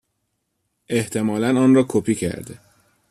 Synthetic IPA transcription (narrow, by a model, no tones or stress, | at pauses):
e̞ht̪ʰe̞mɒːlænɒːnrɒːkʰopʰiːcʰæ̰ɾd̪e